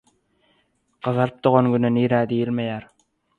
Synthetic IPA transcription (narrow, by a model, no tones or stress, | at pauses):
qɑðɑɾɯp̚d̪oʁonɡyneniːɾæːd̪ijilmejæːɾ